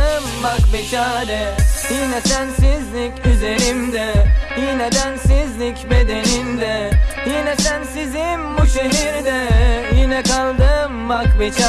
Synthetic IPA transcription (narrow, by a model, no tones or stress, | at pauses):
ɯmːakbɛt͡ʃʰaːɾɯjinɛsænsizlʲicʲyze̞ɾimd̪ɛjinɛd̪ænsizlʲicbed̪e̞nimd̪ɛjinɛsænsizimbuʃeɦiɾd̪ɛjinɛkalˠd̪ɯmmak̚bɛt͡ʃʰa